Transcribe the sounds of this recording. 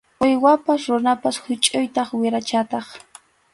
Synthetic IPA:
ʊjwapasɾʊnapashʊt͡ʃʼʊjt̪ɑχwɪɾat͡ʃat̪ɑχ

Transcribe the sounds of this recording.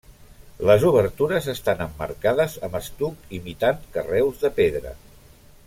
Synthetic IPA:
ləzuβ̞əɾt̪uɾəzəst̪anəmːə̰ɾkaðəzəməst̪ukimit̪aŋkərɛwzðəpeðɾə̰

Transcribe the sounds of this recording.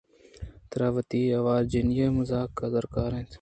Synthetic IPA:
t̪əɾaːʋət̪iːɐʋaːɾd͡ʒɪnjeːmʊzaːkːazəɾkaːɾẽːt̪ʰ

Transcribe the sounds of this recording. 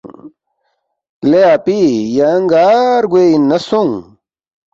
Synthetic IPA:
leapijaŋɡaːɾɡeinːɐsuŋ

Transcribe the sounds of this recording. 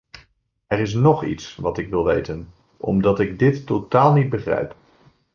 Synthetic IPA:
ɛɾɪs̬nɔχḭtsʋɑtɪkʋɪlˠʋḛjtən | ʔɔ̰mdɑtɪɡ̚dɪtːowtaːlˠnid̚bəχrɛ̰jp

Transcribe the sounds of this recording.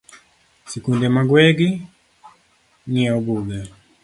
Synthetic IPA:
sekundemaɡweɡi | ŋɛɔɡuɡɛ

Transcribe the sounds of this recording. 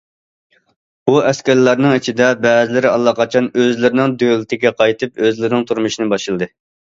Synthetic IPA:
buɛskʲɛɾlɑɾnɨŋit͡ʃʰid̪ɛbɛːzɪlɪɾɪɑlˠːɑqɑt͡ʃʰɑnøzlɪɾɪnɪŋd̪ølɪt̪ʰɪɡʲɛqʰɑjt̪ʰɨpøzlɪɾnɪŋt̪ʰuɾmuʃinɨbɑʃɨlˠɨd̪ɨ

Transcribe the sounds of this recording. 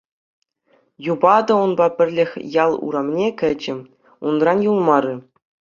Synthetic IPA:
jubɑd̪ɤ̆unbɑpʲɘ̆rʲlʲɘ̆xʲjɑlˠṵɾɑmnʲekʲɘ̆d͡ʑɘ̆ | unrɑnjulˠmɑɾɯ̆

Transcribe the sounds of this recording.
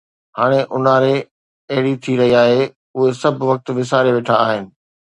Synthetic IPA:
ɦaːɽ̃eʔʊnaːɾe | ɐɦɪɽit̪ʰiɾɐɦiaːɦe | ʊɦesɐbʱʋɐk̚t̪̆ʋɪs̬aːɾeʋeːʈʰaːɦɪnɪ̆

